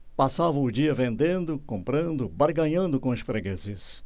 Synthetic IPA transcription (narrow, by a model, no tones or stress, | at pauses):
pasavɐ̃ʊd͡ʒiɐvẽnd̪ẽnd̪ʊkõmpɾɐ̃nd̪ʊbaɾɡɐ̃ɲɐ̃nd̪ʊkõʊsfɾeɡezɪs